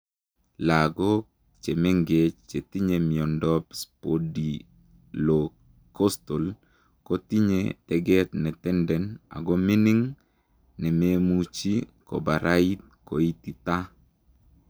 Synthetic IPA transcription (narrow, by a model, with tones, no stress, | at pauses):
la˨ɡɔ˦k | t͡ʃe˨me˦ŋɡe˨t͡ʃt͡ʃe˨t̪i˦ɲe˨mɪ˨ɔ˨ndɔ˦pspodi˨ | lo | ko˦sto˨l | ko˦t̪i˦ɲḛtɛ˨ɡɛ˦t̪nɛ˨t̪ɛ˦ndɛ˨na̰˨ɡɔ˦mi˦ni˦ŋ | nɛ˨me˦mut͡ʃi˦kɔ̰˨ba˨ɾʔa˦i˦t̪̚ | ko˨i˦t̪i˨t̪a˦